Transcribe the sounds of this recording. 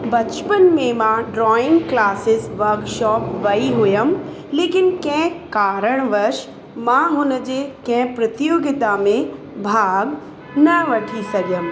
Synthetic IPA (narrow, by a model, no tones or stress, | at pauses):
bɐt͡ʃpənmẽmãɖɾɔːɪ̃ŋɡklaːsɪsʋɐɾkʃɔːpʋɐiɦʊjəm | leːkɪnkɛ̃ɦkaːɾəɽ̃ʋɐɾʃ | mãɦʊnəd͡ʑekɛ̃ɦpɾɐt̪ɪjoːɡɪt̪amẽ | bʱaːɡ | nɐʋɐʈʰisɐɡjəm